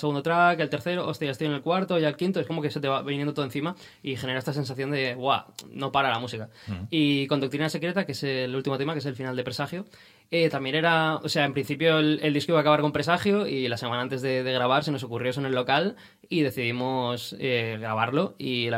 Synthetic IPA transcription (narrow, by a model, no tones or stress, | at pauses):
seɣund̪ot̪ɾakelt̪e̞ɾθe̞ɾoʔost̪ejast̪ienelkwaɾt̪oʝaelkint̪oe̞skomo̞ke̞se̞t̪̬eaβinjẽndot̪oenθima | ixe̞ne̞ɾaest̪ase̞nsaθjond̪e̞βwa̰no̞paɾalamusika | ikond̪ukt̪ɾinase̞kɾe̞t̪akeeselult̪imot̪e̞makese̞lfinald̪e̞pɾesaxjo̞ | et̪ambje̞ne̞ɾaose̞aempɾin̟θipjo̞ele̞ld̪iskoiβaːkaβaɾko̞mpɾe̞saxjo̞ilasemãnaãnt̪e̞zðe̞ðe̞ɣ̞ɾaβ̞aɾs̬e̞noso̞kurjo̞s̬onelːo̞kal | iðe̞θiðimo̞seɣɾaβ̞aɾlo̞il